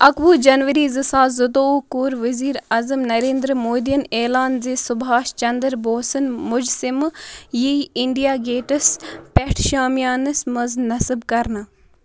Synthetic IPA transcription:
ɐkʋuːd͡ʒɐnʋəɾiːzɨsaːzud̪oːkuːɾʋəziːɾazəmnɐɾeːnd̪ɾmoːd̪ijɐneːlaːnzisʊbɦaːʃt͡ʃɐnd̪əɾboːsɨnmʊd͡ʒsimjiiɳɖijaːɡeːʈɐspeʈʰʃaːmjaːnɨsmɐznɐsɨbkɐɾna

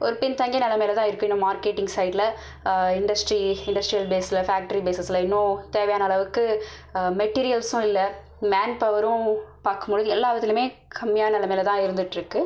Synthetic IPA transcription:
ɔɾɯpɪnt̪ɐŋɡɐnɐlɐmeːlɐt̪ãːɪɾɯkːʊ̃ɪnːɐ̃maːɾkeːʈːɪŋɡsɐɪɖɪlɐ | ɪɳɖɐsʈɾiɪɳɖɐsʈɾijɐlbeːsɪlɐfaːk̚ʈɐɾibeːsɐsɪlɐɪnːõt̪eːʋɐjaːnɐːlɭɐʋɯkːɯmɛʈːiːɾɪjɐlsʊ̃ɪlːɐ | maːnpɐʋɐɾʊ̃paːɾkɯmboɻɯðɯɛlːaːʋɐt̪ːɪlɯmeːkʰɐmːɪjaːnɐnɐlɐmeːlɐt̪ãːɪɾɯnd̪ɯʈːɪɾɯkːɯ

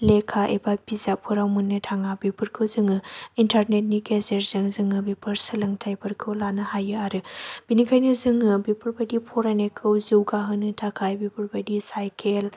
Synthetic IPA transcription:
lekʰaʔebabizapʰɯɾawmunːɯtʰaŋabipʰɯɾkʰɯwzɯŋɯintʰaɾnet̚niɡezeɾzɯŋzɯŋɯbipʰɯɾsɯlɯŋtʰajpʰɯɾkʰɯwlanɯhajɯaɾɯb̥inikʰajnɯzɯŋɯbipʰɯɾbadipʰɔɾanekʰɯwziwɡaɦɯnɯtʰakʰajbipʰɯɾbadisajkʰel

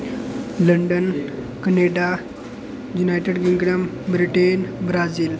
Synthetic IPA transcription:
ləɳɖən | kəneɖa | junajʈeɖɡiŋɡɽəm | bɾiʈenbɾad͡ziːl

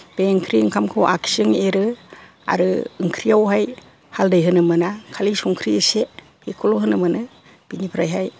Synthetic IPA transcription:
b̥eŋkʰɾiɯŋkʰamkʰɯwʔa̰kʰi̥sɯŋeɾɯ | a̰ɾɯɯŋkʰɾiawɦaj | haldɯjɦɯnɯmɯnakʰalisɔŋkʰɾiɯse | bekʰɔlɔɦɯnɯmɯnɯ | b̥inipʰɾajɦaj

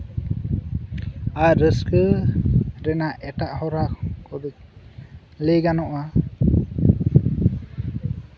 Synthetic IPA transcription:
aʔɾəskɯ | ɾɛnaʔɛtaʔhɔɾakʰɔbik̚ | lejɡanɔʔa

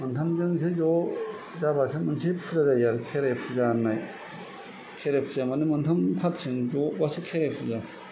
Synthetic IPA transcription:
mɯntʰamzɯŋs̬ʰezɔ | zabasʰɯmɯnsʰipʰuzazajaɾɯkʰeɾepʰuzanːaj | kʰeɾepʰuzamanɯmɯntʰampʰatsʰɯŋzɔbasɯkʰeɾapʰuza

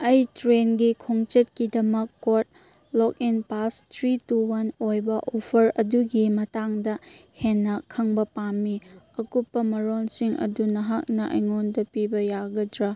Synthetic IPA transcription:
ɐjtɾenɡikʰoŋt͡ʃet̚kidɐmɐkːot̚ | lɔk̚inpastʰɾituwɐnojbɐʔopʰɐɾɐduɡimɐtaŋdɐhenːɐkʰɐŋbɐpamːiɐkupːɐmɐɾonsiŋɐ̰dunɐɦak̚nɐʔɐ̰jŋondɐpibɐjaɡɐdɾa

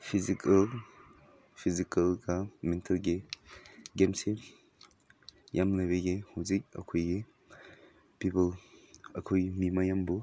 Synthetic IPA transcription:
pʰizikʰal | pʰizikʰalɡamɛntʰalɡe | ɡemse | jʔamlabeɡehuzik̚ɐ̰kʰojɡe | pipəlɐkʰojmimajambɔ

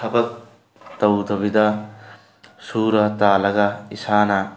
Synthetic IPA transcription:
sʰɐbɐk̚ | t̪ɐwd̪ɐbid̪a | suːɾɐt̪aːlɐɡaisaːna

